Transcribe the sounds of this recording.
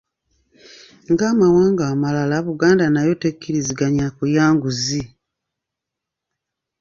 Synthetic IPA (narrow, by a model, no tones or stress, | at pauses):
ŋɡamawaːŋɡaːmalalaβuɡaːndanajo̞tekːiɾiziɡaɲakujaːŋɡuzi